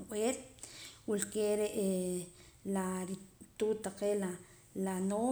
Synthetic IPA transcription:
ʔeːlwulkeɾeʔe | laɾit̪uːt̪aqela | lano

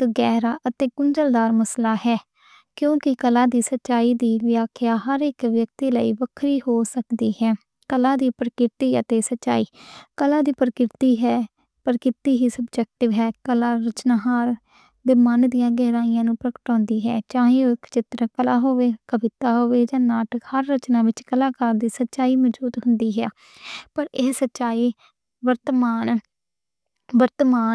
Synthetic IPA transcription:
t̪ːɡɛːɾaːʔət̪eːkʊɲd͡ʒəld̪aːɾməslaːɦɛː | kjõːkɪkəlaːd̪iːsətːʃaːiːd̪iːʋɪjaːkʰɪjaːɦəɾɪkʋjək̚t̪iːlə̰iːbəkʰɾiːhoːsəkd̪iːhɛː | kəlãːd̪iːpɾəkɪɾɪt̪iːə̰t̪eːsətːʃa̰ːiːkəlãːd̪iːpɾəkɾɪt̪iːɦɛː | pəɾkɪɾt̪iːɦiːsəbd͡ʒɛk̚ʈɪʋɦɛːkəlaːɾət͡ʃnaːɦaːɾ | d̪eːmənd̪ɪjãːɡɛːɾaːɪjãːnũːpɾəkə̥ʈɔ̃ːnd̪iːɦɛːt͡ʃãːɦẽːoɪkt͡ʃɪt̪ɾəkəlaːɦoːʋeːkəbɪt̪aːɦoːʋeːd͡ʒãːnaːʈəkhəɾːət͡ʃnãːʋɪt͡ʃkəlaːkəɾd̪iːsətːʃaːiːmɔd͡ʒuːd̪ɦʊ̃nd̪iːɦɛaː | pəɾeːsətːʃaːiː | ʋəɾt̪maːn | ʋəɾt̪maː

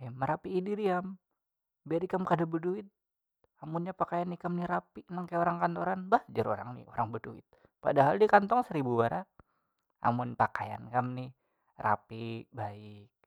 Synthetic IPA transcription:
ɛməɾapiːdiɾiam | biadikamkadabəduit̪̚ | amunɲapakajanːikamniɾapiʔnaŋkajaoɾaŋkant̪oɾanbahd͡ʒəɾoɾa̰ŋnḭo̰ɾaŋbəduḭt̪̚ | padaɦaldikant̪ɔŋsəɾibuwaɾa | a̰mʊnpakaja̰nkamni | ra̰pibaɪk̚

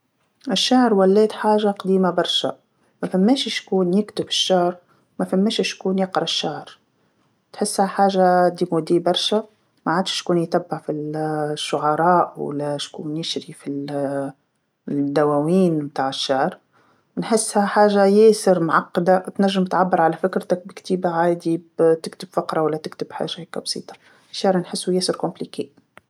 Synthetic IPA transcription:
ʔɪʃːaʕɾwælːɛːt̪ħaːʒaqd̪iːmabɑɾˤʃa̰ | mæfæmːɛːʃɪʃkuːnjɪkt̪ʊbɪʃːaʕɾ | mæfæmːɛːʃɪʃkuːnjɪqɾˤɑʃːaʕɾ | t̪ħɪsːhaħaːʒad̪iːmud̪iːbɑɾˤʃa | maʕaːd̪ʃkuːnjt̪abːɪʕfiʃːʊʕɑɾˤɑːʔwæ̰læʃkṵːnjɪʃɾifi | d̪ːæwæwiːnmt̪aːʕɪʃːaʕɾˤ | wnħɪsːhæħaːʒajeːsɪɾmʕɑqːd̪at̪næʒːɪmt̪ʕabːɪɾˤʕalæfɪkɾt̪ak̚bɪkt̪iːbaʕaːd̪ibt̪ɪkt̪ɪbfɑqɾˤɑwalːæt̪ɪkt̪ɪbħa̰ːʒahekæbsˤḭːt̪ˤɑ̥ | ʃːaʕɾnħɪsːujæːsɪɾkʊmplikiːʔ

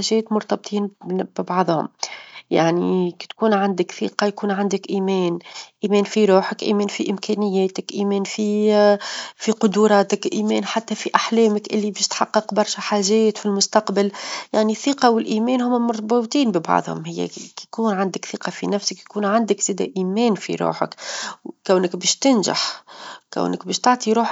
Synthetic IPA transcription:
aʒɛːt̪mʊɾˤt̪ɑb̚t̪ʰˤiːnb̥ɪbɑʕðˤhʊ̰mja̰ʕniki̥t̪kuːnʕand̪ɪkθḭːqɑjkuːnʕand̪ɪkʔiːmɛːnʔiːmɛːnfiɾuːħɪkʔḭːmɛːnfiʔɪmkɛːnɪjːɛːt̪ɪkʔiːmɛːnfi | fiqʊd̪uɾˤɑːt̪ɪkʔiːmɛːnħat̪ːæfiʔaħlɛːmɪkʔɪlːibɪʃt̪ħɑqːɑqbɑɾˤʃɛħaːʒɛːt̪filmʊst̪ɑqbaljaʕniθːiqɑwɪlʔiːmɛːnhʊmːæmʊɾt̪but̪ˤiːnbibɑ̰ʕðˤhʊ̰mhɪjːæ̰kuːnʕand̪əkθiːqɑfinæfsəkjkuːnʕand̪əkz̥ɛːd̪æ̰ʔiːmɛːnfḭɾṵːħə̰kkæwnɪkbɛːʃt̪ɪnʒa̰ħkæ̰wnəkbɛːʃt̪aʕt̪ˤiɾuːħ

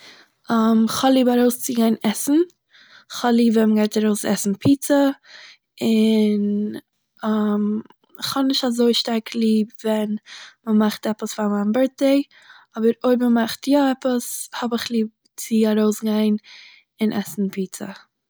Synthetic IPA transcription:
amχhɔlˠiːbaɾoʊst͡sɪɡaɪnɛsn̩ | χhɔlˠiːbvɛnməɡaɪtaɾoʊsɛ̰sn̩pʰiːt͡sə | ɪn | am | χhɔnɪʃtazoɪʃtaɾkʰlˠiːbvɛnməmaχtɛpəsfamanbɛɾt̚deɪ | ɔbəɾoɪbməmaχtjɔɛpəshɔbɪχlˠiːb̚ | t͡sɪaɾoʊsɡaɪn | ɪnʔɛ̰sn̩pʰiːt͡sə̰

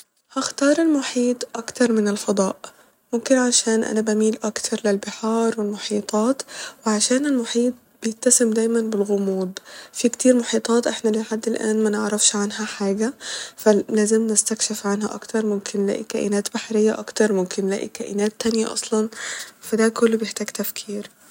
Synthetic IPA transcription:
haxt̪ɑːɾˤɪlmʊħiːt̪ˤʔɑkt̪ɑɾˤmɪnɪlfɑd̪ˤɑːʔ | mʊmkɪnʕaʃæːnʔæ̰nabæmiːlʔɑkt̪ʰɑɾˤlɪlbɪħɑːɾˤwɪlmʊħiːt̪ˤɑːt̪wɪʕaʃæːnɪlmʊħiːt̪̚ˤb̥ɪjɪtt̪ːæsɪmd̪æːjmanbɪlɣʊmuːd̪fikt̪iːɾmʊħiːt̪ˤɑːt̪ˤʔeħnælɪħad̪ːɪlʔæ̰ːnmænɪʕɾˤɑfʃʕanɦæħaːɡæfælæːzɪmnɪst̪ækʃɪfʕanɦæ̰ʔɑ̰kt̪ɑɾˤmʊmkʰɪnːlæ̰ːʔikæʔɪnæːt̪b̥aħɾɪjːæ̰ʔɑkt̪ɑɾˤmʊmkɪnːlæ̰ːʔikæʔɪnæːt̪ːænja̰ʔɑ̰sˤlɑnfæd̪æːkʊlːbjeħt̪æːɡt̪æfkʰiːɾ

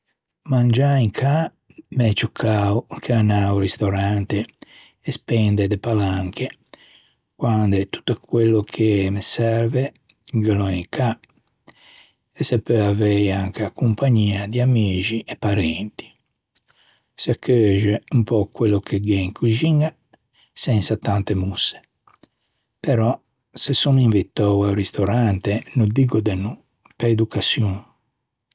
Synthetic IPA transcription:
mand͡ʒaiŋkʰa | mɛt͡ʃukʰːawkʰeanawɾist̪oɾant̪eː | spɛnd̪ed̪epalaŋke | kwand̪et̪u̥t̪ːəkwelːokʰemesɛɾve | ɡəlɔiŋkʰa | ɛsɛpːeavejaŋkakumpaɲiːad̪iamiːd͡ʒiʔɛpːaɾɛnt̪i̥ | sakʰːøːʒɛumpɔkwelːokʰeɡɛŋkʰud͡ʒiŋa | sɛnsat̪ant̪emusːe̥ | pɛɾɔ | sɛsuniɱvit̪ːɔwawɾist̪ɔɾant̪enud̪iɡɔd̪ɛnːu | peed̪ukasjun

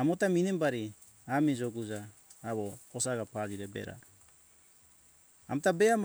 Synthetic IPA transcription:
amotaminembaɾi | amid͡ʒoɡud͡ʒaː | βoːsaɡapad͡ʒiɾebḛɾa̰ | a̰motabeam

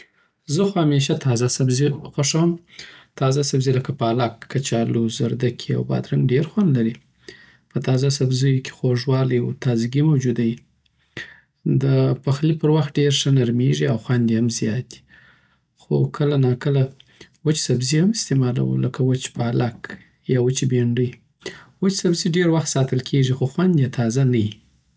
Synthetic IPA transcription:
zəxohameʃ̬at̪ʰɑzasabzixaʂawəmt̪ɑzasabziləkapɑlakʰːat͡ʃɑluzaɾd̪akʰia̰wbɑ̰d̪ɾanɖeɾxwand̪laɾi | pət̪ɑzas̬abzəjokʰe̥xoʐwɑljwut̪ɑziɡimawd͡ʒud̪aji | d̪əpaxlipəɾwaxt̪̚ɖeɾʂənaɾmeʐiawxwand̪jehamzjɑt̪̚d̪i̥ | xo̰kʰəlanɑkəlawət͡ʃsabzihamɪst̪emɑla̰wṵləkawət͡ʃpalak | jɑwət͡ʃibeɳɖəj | wət͡ʃsabziɖeɾwaxt̪sɑt̪əlkʰeʐixoxwand̪jet̪ʰɑzanaji

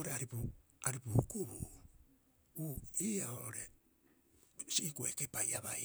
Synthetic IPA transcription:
oɾeaɾipu | aɾipukuɾu | uiːaoʔoɾe̞ | siːkuekepajaβaj

